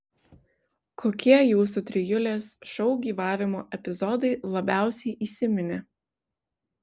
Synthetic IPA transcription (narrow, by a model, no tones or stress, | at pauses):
kʰoːkʲiɛjuːs̬ut̪ʲɾʲɪjʊlʲeːsʃɔʊɡʲiːʋɑːʋʲɪmoːʔɛpʲɪzɔd̪ɐɪlˠɐbʲæˑʊsʲɛɪʔiːsʲɪmʲɪnʲɪ